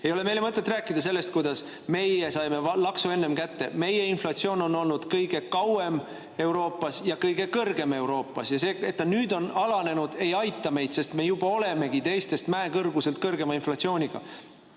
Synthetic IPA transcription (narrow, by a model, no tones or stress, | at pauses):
ejo̞le̞me̞jle̞mɤt̪ːˑe̞t̪ːˑræːkːˑid̪̥ɑs̬e̞lːe̞st̪̚kujd̪ɑs | me̞jesɑjme̞lɑksue̞nːemkæt̪ːe̞̰me̞je̞inflɑt̪sio̞ːno̞no̞lnud̪̥kɤjɡ̥e̞kɑwe̞m | e̞wɾo̞ːpːˑɑsjɑkɤjɡ̥e̞kɤrɡ̥e̞me̞wɾo̞ːpːˑɑsjɑse̞ːe̞t̪ːɑnyːd̪̥o̞nɑlɑne̞nud̪̥e̞jɑjt̪ːˑɑme̞jd̪se̞st̪me̞jub̥ɑo̞le̞me̞ɡ̥it̪e̞jst̪e̞st̪mæekɤrɡuse̞lt̪̚kɤrɡe̞mɑinflɑt̪sio̞ːnʲiɡ̥ɑ̰